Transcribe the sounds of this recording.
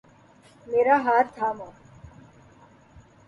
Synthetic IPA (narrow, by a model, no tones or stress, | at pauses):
meːɾaɦaːɾt̪ʰaːmo